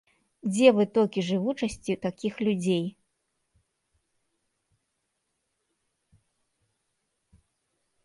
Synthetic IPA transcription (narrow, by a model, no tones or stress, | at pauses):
d͡zʲɛvɨt̪ɔlʲkʲiʐɨvut͡ʂɐsʲt͡sʲit̪akʲixlʲud͡zʲej